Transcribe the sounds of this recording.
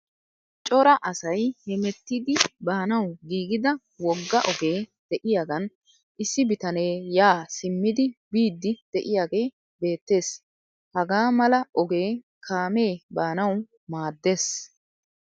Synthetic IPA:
t͡ʃʼɔɾɐʔɐsɐjhɛmɛt̪ːid̪ɪbaːnɐwɡiːɡɪd̪ɐ | wɔɡːɐʔɔɡe̞ːd̪̥ɛʔɪjaːɡɐn | ʔɪsːɪbɪt̪ɐneːjaːsɪmːɪd̪ɪbiːd̪ːɪd̪̥ɛʔɪjaːɡej | be̞ːt̪ːe̞ːs | hɐɡaːmɐlɐʔɔɡe̞ː | kʰaːme̞ːbaːnɐw | maːd̪ːe̞ːs

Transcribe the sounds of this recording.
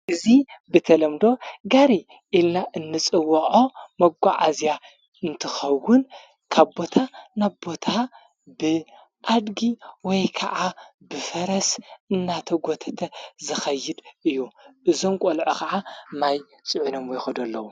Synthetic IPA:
ʔɨzibɨt̪ʰɐlɐmd̪o̞ɡaɾi | ʔilnaʔɨnːɨt͡sʼɨwɐʕomɐɡʷːaʕazja | ɨnt̪ʰɨxɐwːʊn | kʰaβbo̞t̪ʰanaβbo̞t̪ʰa | bɨ | ʔad̪ɡiwɔjkʰɐʔabɨfɐɾɐsɨnːat̪ʰɐɡot̪ʰɐt̪ʰɐzɨxɐjːɪd̪ʔɨjːuʔɨzo̞mkʼolʕokʰaʕamaj | sʼɨʕunomwojxɐd̪ɐlːɐwu

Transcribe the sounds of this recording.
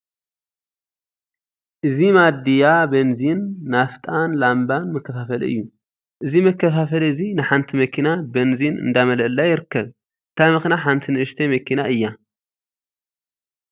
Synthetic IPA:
ʔɨzimad̪ijabɐnzinːaft̪ʼanlambanmɐkːɐfafɐl̰ɨ̰jːu | ʔɨzimɐkːɐfafɐlɨzinɨħant̪ʰimɐkʰinabɐnzinɨ̰nd̪amɐlʔɨlːajɪɾɨkːɐβ | ʔɨt̪ʰamɐxnaħant̪ʰinɨʔɨʃt̪ʰemɐkʰinaʔɨjːa

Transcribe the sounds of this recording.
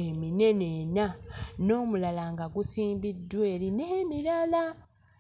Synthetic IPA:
emine̞nenano̞ːmulalaŋɡaɡusiːmbidːweːɾinemilala

